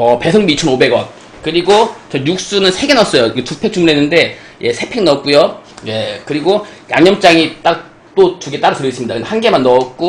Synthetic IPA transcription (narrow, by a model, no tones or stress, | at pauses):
ʌpe̞sʰʌŋbiit͡ɕʰʌnobe̞ɡwʌn | kɯɾiɡot͡ɕʌjuk̚s͈unɯnsʰeɡe̞nʌs͈ʌjokɯtupʰek̚t͡ɕuŋmunɦenːɯnde̞ | je̞sʰe̞pʰeŋnʌk̚k͈ujoje̞kɯɾiɡojaŋɲʌmt͡ɕ͈aŋit͈a | t͈ot͡ɕuɡe̞t͈aɾɯtɯɾjʌɡis͈ɯmɲidakɯndehanɡe̞manːʌːt̚k͈o